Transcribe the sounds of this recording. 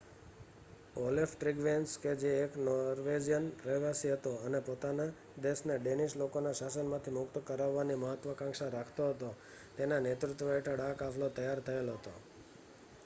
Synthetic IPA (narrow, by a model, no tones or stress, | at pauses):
olefʈɾiɡʋensked͡ʒeːknɔɾʋed͡ʒijənɾəɦʋasiɦət̪oənepot̪ana | d̪esneɖeniʃlokonaʃasənmãt̪ʰimʊkt̪əkəɾaʋːaniməɦət̪ʋəkãŋkʃaɾakʰt̪oɦət̪o | t̪enanet̪ɾʊt̪ʋəeʈʰəɽakafʰlot̪əjaɾt̪ʰəelɦət̪o̰